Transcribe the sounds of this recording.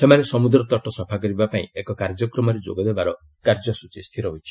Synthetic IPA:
semanesɔmud̪ɾɔt̪ɔʈɔsɔbʰʱakɔɾibapaĩekɔkaɾd͡ʒɔkɾɔmɔɾed͡ʒo̰ɡɔd̪ebaɾɔ | kaɾd͡ʒɔsut͡ʃist̪ʰiɾɔɦojt͡ʃʰi̥

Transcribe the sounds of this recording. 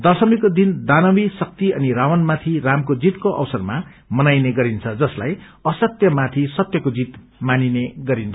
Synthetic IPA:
d̪ʌsʌmikod̪ind̪anʌwisʌk̚t̪iʌ̰niɾawʌnmat̪ʰiramkod͡zit̪koʔʌ̰wsʌrma | mʌnajneɡʌɾint͡sʰʌd͡zʌslaj | ʌsʌt̪jʌmat̪ʰisʌt̪jʌkod͡zit̪ | manineɡʌɾint͡sʰ

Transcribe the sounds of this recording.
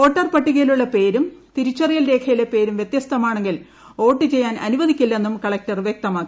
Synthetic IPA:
o̞ːʈːɐrpɐʈːiɣɐluɭːɐpe̞ːɾumt̪iɾut͡ɕːɐrijɐlɾe̞ːkʰɐjilepe̞ːɾumʋjet̪jɐst̪ʰɐmaːɳeŋɡil | o̞ːʈːɨt͡ɕe̞jːaːnɐ̰nuʋɐðikʲːilːɐe̞nːumkɐɭɐk̚tɐrʋjek̚t̪ɐmaːkːi

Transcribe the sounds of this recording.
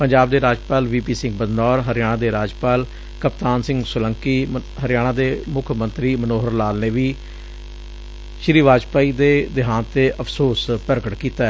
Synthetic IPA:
pəɲd͡ʒaːb̚d̪eːɾaːd͡ʒpaːlʋiːpiːsɪ̃ŋɡ̚bəd̪nɔːɾɦəɾɪjaːɽãːd̪eːɾaːd͡ʒpaːl | kəpt̪aːnsɪ̃ŋɡsʊləŋkiːɦəɾɪjaːɽ̃ãːd̪eːmʊkʰmə̃nt̪ɾiːmənoːɦəɾlaːlneːʋiː | ʃɾiːʋaːd͡ʒpaːiːd̪eːd̪ɪɦãːnt̪eːʔəpʰsoːspəɾɡəʈkiːt̪aːɛ

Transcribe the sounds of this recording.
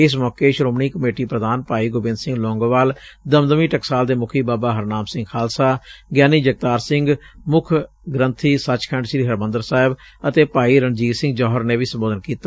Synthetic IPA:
ɪs̬mɔːkeːʃɾoːmniːkəmeːʈiːpɾəd̪aːnpaːiːɡoːbɪ̃nd̪sɪ̃ŋɡlɔ̃ːŋɡʋaːld̪əmd̪əmiːʈəksaːld̪eːmʊkʰiːbaːbaːɦəɾnaːmsɪ̃ŋɡkʰaːlsaːɡjaːniːd͡ʒəɡ̚t̪aːɾsɪŋɡ | mʊkʰ | ɡɾənt̪ʰiːsət͡ʃkʰɛ̃ːɳɖʃɾiːɦəɾmə̃nd̪əɾsaːɦɪb | ət̪eːpaːiːɾəɳd͡ʒiːɾsɪ̃ŋɡd͡ʒɔːɦəɾneːʋiːsəmboːd̪ənkiːt̪aː

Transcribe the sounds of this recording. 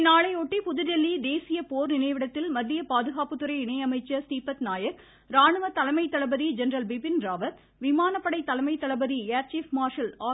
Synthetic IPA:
ɪnːaːɭɐɪɔʈːipʊðʊðɛlːid̪eːsɪjɐpoːɾnɪnɐɪʋɪɽɐt̪ːɪlmɐd̪ːɪjɐpaːðɯɣaːpɯt̪ːɯɾɐɪɪɳɐɪɐmɐɪt͡ʃːɐst̪iːpɐt̪naːjɐk | ɾaːɳɯʋɐt̪ɐlɐmɐɪt̪ːɐlɐbɐðid͡ʒɛnɾɐlbɪbɪnɾaːʋɐt̪ | ʋɪmaːnɐpːɐɽɐɪt̪ːɐlɐmɐɪt̪ːɐlɐbɐðiaːɾt͡ʃiːfmaːɾʃɐlaː

